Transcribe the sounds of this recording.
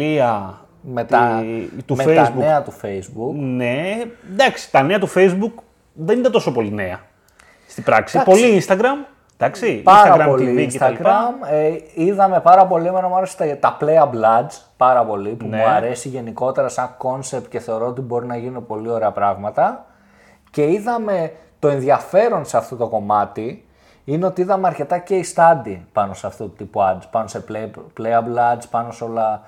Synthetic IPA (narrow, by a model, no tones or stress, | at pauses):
iɐ | met̪ɐt̪umefezbueɐt̪ufejzbukned̪ɐksi̥t̪ɐneɐt̪ufe̞jzbuk | ðenit̪ɐnt̪o̞so̞po̞line̞ɐ | st̪ibɾɐksipo̞liinst̪ɐɡɾɐm | d̪ɐksipɐsɾɐɐɣɾɐmooinicet̪ɐliɾpɐmiðɐme̞pɐɾɐpo̞liemenɐmuɐɾest̪ɐt̪ɐpleɐblɐdd͡z | pɐɾɐpo̞lipumuɐɾe̞siʝe̞niko̞t̪e̞ɾɐsɐŋko̞nse̞p̚t̪ce̞θe̞oɾo̞ot̪ibo̞ɾinɐʝinipo̞lio̞ɾeɐpɾɐɣmɐt̪ɐ | ce̞iðɐme̞t̪o̞e̞nðiɐfe̞ɾo̞nseɐft̪o̞t̪o̞ko̞mɐt̪i | ineo̞t̪iiðɐmeɐɾce̞t̪ɐce̞ist̪ɐnd̪ipɐno̞seɐft̪ot̪ut̪ipuɐzpɐnoseplepleɐblɐd͡zpɐno̞seo̞lɐ